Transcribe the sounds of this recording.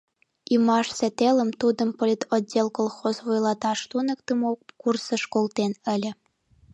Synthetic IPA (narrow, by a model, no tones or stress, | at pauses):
imɑʃset̪elə̆mt̪ud̪ə̆mpolʲit̪ʰodʲːelˠkolˠxozvojlˠɑt̪ɑʃt̪unə̆k̚t̪ə̆mokursɤ̆ʃkolˠt̪enə̆lʲə̆